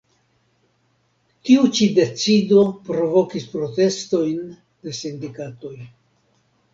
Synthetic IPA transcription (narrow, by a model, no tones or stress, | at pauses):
tiut͡ʃide̞t͡sido̞pɾo̞vo̞kispɾo̞te̞sto̞jn | de̞sindikato̞j